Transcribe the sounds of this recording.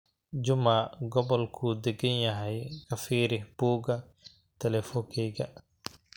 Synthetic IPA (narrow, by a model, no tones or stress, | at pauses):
d͡ʒʊmaɡɔβɔlkʰud̪ɛɡɐnjɐɦɛjkʰɐfiːɾɪhb̥uːɡɐ | t̪ʰɛlɛfɔkʰɛːɡɐ